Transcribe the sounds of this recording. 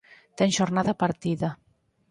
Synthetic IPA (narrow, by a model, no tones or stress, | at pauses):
t̪ɛnʒoɾnaðapaɾt̪iða